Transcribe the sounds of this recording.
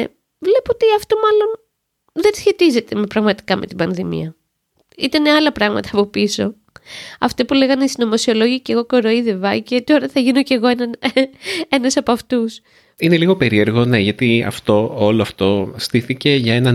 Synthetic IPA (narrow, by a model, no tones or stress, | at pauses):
vle̞poot̪iɐft̪o̞mɐlo̞n | ðensçe̞t̪ize̞t̪emepɾɐɣmɐt̪i̥kɐme̞̰t̪ibɐnðimḭɐ | it̪ɐneɐlɐpɾɐɣmɐ̰t̪ɐːpo̞piso̞ | ɐ̰ft̪epule̞ɣɐnist̪inomo̞sio̞lo̞ʝiceɣo̞koɾoiðevɐce̞t̪o̞ɾɐθɐʝino̞ce̞ɣo̞enɐn | e̞nɐsɐpoɐft̪us | ine̞liɣo̞pe̞ɾie̞ɾɣo̞ne̞ʝɐt̪iɐ̰ft̪o̞oloɐft̪o̞st̪iθice̞ʝɐe̞nɐ